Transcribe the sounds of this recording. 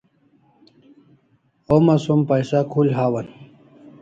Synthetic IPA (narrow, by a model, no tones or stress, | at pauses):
omɐsumpɐjsakʰulɦaːwɐn